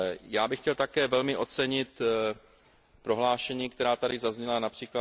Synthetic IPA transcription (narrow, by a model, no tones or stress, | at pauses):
jaːbɪxcɛlt̪akɛːvɛlmɪʔo̞t͡sɛɲɪt̪ | pɾo̞ɦlaːʃɛɲiːkt̪ɛɾaːt̪adɪzazɲɛlanapr̥iːkla